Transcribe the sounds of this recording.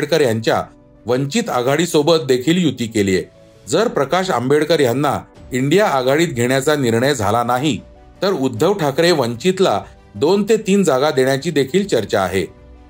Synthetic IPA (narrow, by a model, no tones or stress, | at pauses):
ɽkəɾjaɲt͡ɕja̰ | ʋəɲt͡ɕiːt̪a̰ɡʱaɽiːsobət̪̚d̪ekʰiːljut̪iːkelije | d͡zəɾpɾəkaɕa̰mbeɽkəɾjanːaiɳɖijaːɡʱaɽiːt̪̚ɡʱeɳjat͡saniɾɳəjd͡zʱalanaɦi | t̪əɾud̪ʱːəʋʈʰakɾeʋəɲt͡ɕit̪la | d̪ont̪et̪iːnd͡zaɡad̪eɳjat͡ɕiːd̪ekʰiːlt͡ɕəɾt͡ɕa̰ːɦe